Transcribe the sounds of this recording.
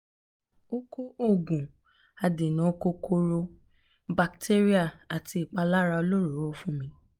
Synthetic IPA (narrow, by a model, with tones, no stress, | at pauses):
o˦ko˦o˦˨ɡũ˨ | a˨de˨nã˨˦˧ko˧ko˧ɾo˧ | ba˨kte˦ɾi˦a˦˨a˨ti˧i˨k͡pa˧la˦ɾa˧o˧lo˦ɾo˨˦ɾo˦fũ˦mĩ˦